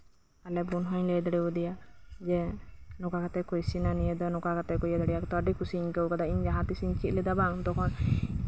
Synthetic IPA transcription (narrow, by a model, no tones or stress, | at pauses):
alɛbunɦɔɲlejd̪aɽɛwud̪ijad͡ʒɛnɔkakat̪ɛkɔjsinanijed̪ɔnɔkakat̪ɛkɔjad̪aɽɛjakɔt̪ɔːɖikʰusiɲkəwkad̪aiɲd͡ʒaɦãt̪isiɲt͡ʃit̪lɛd̪abaŋd̪ɔkʰɔn